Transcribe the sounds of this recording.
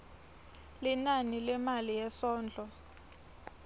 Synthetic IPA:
linanilɛmalijɛsɔːnd͡ɮʱɔ

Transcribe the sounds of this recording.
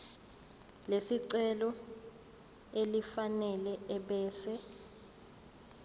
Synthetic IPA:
lesiǀɛlɔ | elifanɛlɛɛɓɛːsɛ

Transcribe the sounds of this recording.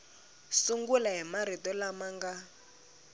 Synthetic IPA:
suŋɡulaɦimaɾ̤itɔlamaŋɡa

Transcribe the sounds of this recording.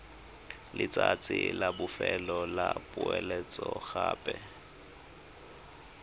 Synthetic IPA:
lɪt͡sʼat͡sʼɪlabʊfɛlɔlapʼʊɛlɛt͡sʼɔɣaːpʼɛ

